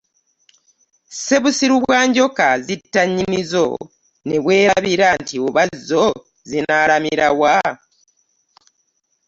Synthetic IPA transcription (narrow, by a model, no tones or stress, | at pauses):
se̞βusiɾuβwaːɲɟo̞kazitːaɲːinizo̞̰ | ne̞βwe̞ːɾaaβiɾantioβazːo̞ | zinaːɾamiɾawa